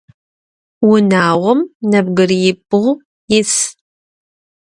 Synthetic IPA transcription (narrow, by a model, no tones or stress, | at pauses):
wʊnaːʁʷɔmnɐb̚ɡɨrjɪp̚ʼɨʁ | jɪs